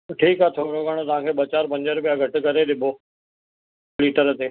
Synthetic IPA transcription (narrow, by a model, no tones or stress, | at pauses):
ʈʰiːkaːt̪ʰoːɾoːɡaːɽ̃ot̪ɐʋ̤ãːkʰeːɓɐt͡ɕaːɾpɐ̃ɲd͡ʑəɾpijaɡʱɐʈʊ̆kɐɾeɗɪbʱoː | liːʈəɾt̪eː